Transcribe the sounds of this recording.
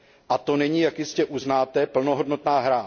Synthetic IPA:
ʔat̪o̞nɛɲiːjakjɪscɛʔuznaːt̪ɛpl̩noɦodno̞t̪naːɦɾa

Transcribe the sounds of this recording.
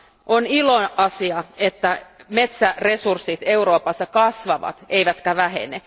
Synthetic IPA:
ʔoniloʔɑsiɑet̪ːæmet̪særesursːit̪euɾo̞ːpɑsːɑkɑsʋɑʋɑ̰t̪eiʋæt̪kæʋæɦḛne

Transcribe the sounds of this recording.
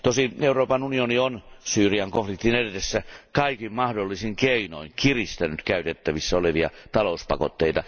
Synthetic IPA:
t̪osieuroːpɑnunionionsyːriɑŋkoflikt̪inedetesːækɑikimmɑhdolːisiŋkeino̰iŋkirist̪ænyt̪kæyt̪et̪ːæʋisːæoleʋiɑ̰t̪ɑlouspɑ̰ko̰t̪ːeit̪ɑ

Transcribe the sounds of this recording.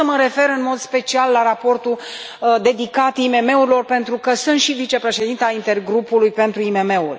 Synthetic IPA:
əməɾe̞fe̞ɾɨnmo̞d̪spe̞t͡ʃialːaɾapo̞rt̪u | d̪e̞d̪ikat̪ime̞me̞uɾilo̞rpe̞nt̪ɾukəsunt̪ʃivit͡ʃe̞pɾe̞ʃe̞d̪int̪eaint̪e̞rɡɾupulujpe̞nt̪ɾuime̞me̞urʲ

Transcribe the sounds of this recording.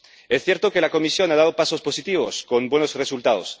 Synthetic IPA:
esθje̞ɾt̪oke̞lako̞misjo̞naðaðopaso̞spo̞sit̪iβ̞o̞̰sko̞mbwe̞nosresult̪að̞o̰s

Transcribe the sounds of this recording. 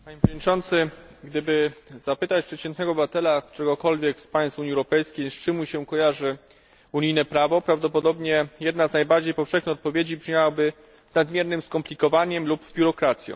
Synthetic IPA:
paɲepʂvɔd̪ɲʲit͡ʂɔnt̪sɘɡd̪ɘbɘzapɘt̪at͡ɕpʂɛt̪t͡ɕɛnt̪nɛɡɔbvat̪ɛlak̚t̪uɾɛɡɔkɔlvʲjɛkspaj̃st̪fuɲiɛwɾɔpɛjskʲejst͡ʂɘmuɕɛkɔjaʐɘ | uɲijnɛpɾavɔpɾavd̪ɔpɔd̪ɔbɲɛjɛd̪naznajbaɾd͡ʑejpɔfʂɛxɲʲixɔt̪̚pɔvʲjed͡ʑipʂɲawabɘ | nad̪mʲjɛɾnɘmskɔmplʲikɔvaɲɛmlubbʲjuɾɔkɾat̪sʲjɔ̰̃w̃

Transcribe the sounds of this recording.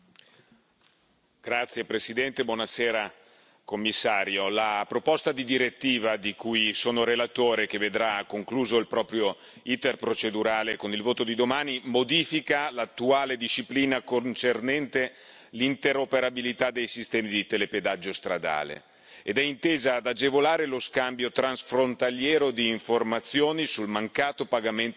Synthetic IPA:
ɡ̥ɾat̪sːjepɾesid̪ɛnt̪ebwɔnaseːɾa | komːisːaːɾjolapɾopost̪ad̪id̪iɾet̪ːiːvad̪ikujsoːnoɾelat̪oːɾek̟evːed̪ɾakːoŋkluːzoilpɾɔːpɾjo | it̪erpɾot͡ʃed̪uɾaːlekonilvoːt̪od̪id̪omaːnimod̪iːfikalat̪ːuaːled̪iʃːipliːnakont͡ʃernɛnt̪e | lint̪eɾopeɾabilit̪ad̪ːejsist̪ɛːmid̪it̪eleped̪ad͡ʒːost̪ɾad̪a̰ːlḛ | ed̪ɛint̪eːzad̪ad͡ʒevolaːɾeloskambjot̪ɾansfɾont̪aljɛːɾod̪iːɱformat̪sːjoːnisulmaŋkaːt̪opaɡament̪

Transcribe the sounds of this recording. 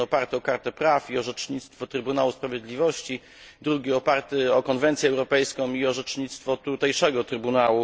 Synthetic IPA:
ɔpaɾt̪ɘɔkaɾt̪ɛpɾafiɔʐɛt͡ʂɲit̪st̪fɔt̪ɾɘbunawuspɾavʲjɛd̪lʲivɔɕt͡ɕi | d̪ɾuɡʲiɔpaɾt̪ɘɔkɔnvɛnt̪sjɛwɾɔpɛjskɔ̃w̃iɔʐɛt͡ʂɲit̪st̪fɔt̪ut̪ɛjʂɛɡɔt̪ɾɘbunawu

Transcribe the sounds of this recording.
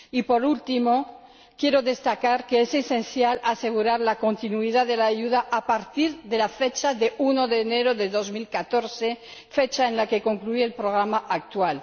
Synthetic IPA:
ipo̞ɾult̪imo̞ | kje̞ɾoðe̞st̪akaɾkeesesenθjalase̞ɣ̞uɾaɾlakont̪inuiðaðelaːʝuðaʔapaɾt̪iɾðe̞lafet͡ʃaðeunoðeːneɾoðeðo̞zmilkat̪oɾθe | fet͡ʃaenlake̞ko̞ŋklueːlpɾoɣ̞ɾamaʔak̚t̪wal

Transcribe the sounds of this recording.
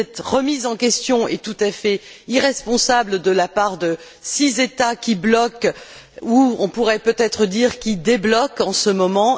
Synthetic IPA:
ɛt̪ʁəmizɑ̃kʲɛst̪jɔ̃ɛt̪ut̪afɛiʁɛspɔ̃sabld̪əlapaʁd̪ə | sizet̪akʲiblɔk | uɔ̃puʁɛpøt̪ɛt̪χəd̪iʁkʲid̪eblɔkɑ̃səmɔmɑ̃

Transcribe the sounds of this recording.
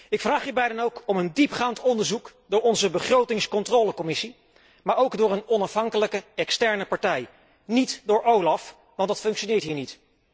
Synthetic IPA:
ɪkfraːχɦiːɹbɛjdənowkɔməndipχaːntɔndəɹzukdʊːɹɔnzəbəχrowtɪŋskɔntroːləkɔmɪsi | maːɹowɡdʊːɹənɔnɑfɦɑŋkələkəɛkstɛɹnəpɑɹtɛj | nitdʊːɹowlɑf | ʋɑntdɑtfɵŋkʃonɪːɹtɦiːɹnit

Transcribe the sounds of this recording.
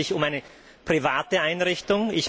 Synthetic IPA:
ɪçʊmaɪnə | pʁ̥ivaːtəaɪnʁɪçtʊŋɪç

